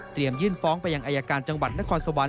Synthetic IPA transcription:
t̪ɾi˨˩əmjɯː˥˩nfɔː˦˥ŋpa˧jːa˧ŋʔaː˧jaː˧kaː˧nt͡ɕa˧ŋwa˨˩t̪̚na˦˥kʰɔː˧nso˧wa˧

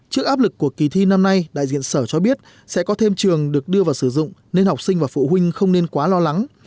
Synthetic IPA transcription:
t͡ɕɨ˦˥ək̚ʔaː˦˥p̚lɨ˨˩kːu˧˩əki˨˩t̪ʰi˧na˧mna˧jɗa̰ː˧˨jzḭ˧˨ənsəː˧˩t͡ɕɔ˧ɓi˦˥ət̚ | sɛ̰˧˥kɔ˨˦t̪ʰe˧mt͡ɕɨ˨˩əŋɗɨ˨˩ək̚ɗɨ˧əvaː˨˩wsɨ˧˩zʊ̰˧˨ŋ͡mne˧nha˨˩k͡p̚sï˧ŋ̟vaː˨˩fṵ˧˨ɦwï˧ŋ̟xə˧wŋ͡mne˧nkwaː˨˦lɔ˧la˨˦ŋ

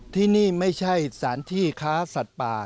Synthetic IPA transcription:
t̪ʰiː˥˩niː˥˩ma˥˩jt͡ɕʰa˥˩jsaː˩˦nt̪ʰiː˥˩kʰaː˦˥sa˨˩t̪̚paː˨˩

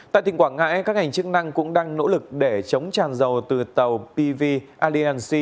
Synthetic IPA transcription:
t̪a̰ː˧˨t̪ï˨˩ŋkwaː˧˩ŋa̰ː˧˥jkaː˦˥k̚ŋa˨˩jŋ̟t͡ɕɨ˦˥k̚na˧ŋkʊ̰˧˥ŋ͡mɗaː˧ŋno̰˧˥lɨ˨˩k̚ɗe˧˩t͡ɕə˨˦wŋ͡mt͡ɕaː˨˩nzə˨˩wt̪ɨ˨˩t̪ə˨˩wpi˧vi˧ʔaː˧li˧aː˧nsi˧

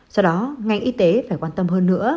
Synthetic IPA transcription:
sɔ˧wɗɔ˨˦ŋa˧jŋ̟ʔi˨˧˦t̪e˨˦faː˧˩jkwaː˧nt̪ə˧mɦəː˧nːɨ̰˧˥ə

